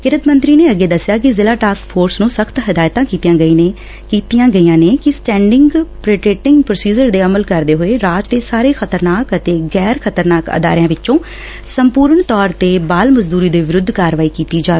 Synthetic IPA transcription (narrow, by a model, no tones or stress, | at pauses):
kɪɾət̪mə̃nt̪ɾiːneːəɡeːd̪əsjaːk̬ɪzɪlaːʈaːskpʰoːɾsnũːsəkʰt̪ɦɪd̪aːjt̪ãːkiːt̪ijãːəi | kiːt̪ijãːɡəiːãːneːkɪsʈɛ̃ːɳɖɪŋɡpɾeːʈɾeːʈɪŋɡpɾoːsiːd͡ʒəɾd̪eːəməlkəɾd̪eːɦoːeːɾaːd͡ʒd̪eːsaːɾeːxʰət̪əɾnaːkət̪eːɡɛːɾkʰət̪əɾnaːkə̰d̪a̰ːɾɪjãːʋɪt͡ʃt͡ʃõː | səmpuːɾəɳt̪ɔːɾt̪eːbaːlməzd̪uːɾiːd̪eːʋɪɾʊd̪ʱːkaːɾʋaːiːkiːt̪iːd͡ʒaː